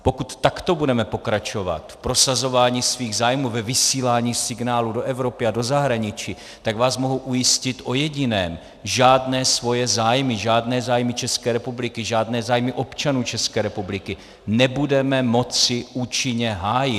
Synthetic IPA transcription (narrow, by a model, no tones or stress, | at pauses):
po̞kut̪ːakt̪o̞budɛmɛpo̞kɾat͡ʃo̞va̰t̪fpɾo̞sazo̞vaːɲiːsviːɣzaːjmuːvɛvɪsiːlaːɲiːsɪɡnaːludo̞ʔɛvɾo̞pɪado̞zaɦɾaɲɪt͡ʃiː | t̪aɡvaːsmo̞ɦuʔujɪscɪt̪ʔo̞jɛɟɪnɛːm | ʒaːdnɛːsvo̞jɛzaːjmɪʒaːdnɛːzaːjmɪt͡ʃɛskɛːɾɛpublɪkɪʒaːdnɛːzaːjmɪʔo̞pt͡ʃanuːt͡ʃɛskɛːɾɛpublɪkɪ | nɛbudɛmɛmo̞t͡sɪʔuːt͡ʃɪɲɛɦaːjɪ